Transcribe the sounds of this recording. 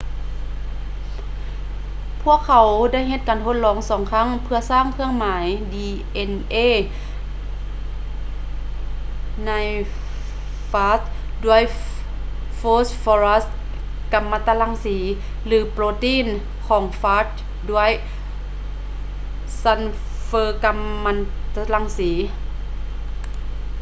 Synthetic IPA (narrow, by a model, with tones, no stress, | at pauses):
pʰu˥˩əkʰːa˨˩˦wda˥˨jɦe˧t̪̚kaː˨˩ntʰo˧t̪̚lɔː˨˦ŋsɔː˨˦ŋkʰa˥˨ŋpʰɯ˧ɐsaː˥˩ŋkʰɯ˧əŋmaː˩˦jdiː˧ | ʔe˧nʔeː˧˥˨ | na˧˥j | faː˧˥t̪̚du˧˥˩əj | foː˦˥sfɔː˧ɾa˦˥st̪ | ka˧mːa˧t̪a˧la˧˥ŋsiː˩˦ | lɯː˩˦pɾoː˧t̪iː˧˥˨n | kʰɔː˩˦ŋfaː˦˥t̪̚ | du˥˩əj | sa˧n | fɤː˧ka˧mːa˧t̪a˧la˧˥ŋsiː˩˦